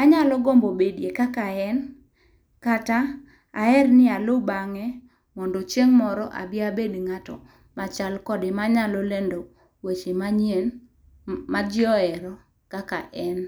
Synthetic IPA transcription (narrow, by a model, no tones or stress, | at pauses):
aɲalɔɡɔmbobedjekakaɛn | kata | aɛrnɪalobaŋɛ | mɔndɔt͡ʃeŋmɔɾɔʔa̰bɪabedŋatɔ̰ | mat͡ʃalkɔdɪmaɲalɔlendo | wet͡ʃemaɲen | mad͡ʒɪɔɛɾɔ | kakaʔɛn